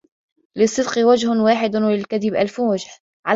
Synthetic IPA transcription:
lɪsˤːɨd̪qɨwad͡ʒhʊwaːħɪd̪lɪlkaðɪbʔalfwad͡ʒh | ʕa

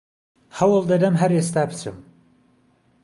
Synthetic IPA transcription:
hɐwɨlˠd̪ɐd̪ɐmɦɐɾest̪aːbɨt͡sʰɨ̰m

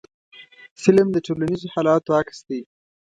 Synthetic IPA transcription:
fɪlmd̪əʈʰolanizohɑlɑt̪oaksd̪e

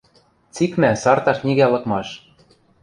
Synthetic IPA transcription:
t͡sikmæsɑrt̪ɑʃnʲiɣælɤ̆kmɑʃ

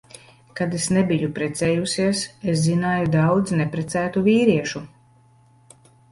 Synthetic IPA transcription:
kad̪esnɛbijupɾɛt̪sɛːjusiɛses̬zinaːjud̪awd̪znɛpɾɛt̪sæːt̪uviːɾiɛʃu

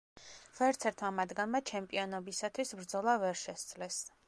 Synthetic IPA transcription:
vɛɾt̪sʰɛɾt̪ʰmamad̪ɡanmat͡ʃʰɛmpʼiɔnɔbisat̪ʰwisbɾd̪zɔlˠavɛɾʃɛst̪z̥ʼlɛs

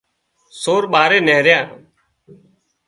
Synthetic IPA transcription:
soːɾɓaːɾeːneːɾjãː

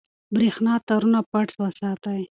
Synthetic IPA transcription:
bɾexnɑt̪aɾunapaʈswəsɑt̪aj

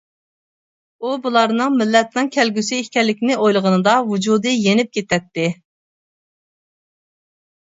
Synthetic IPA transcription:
ubulˠɑɾnɨŋmɪlːɛt̪nɨŋkʲʰɛlɡʲysɪihkʲɛlːɪkʲnɪʔojlˠəʁənɨd̪ɑvud͡ʒud̪ɨjenɪp̚kʲet̪ʰɛt̪ːɪ

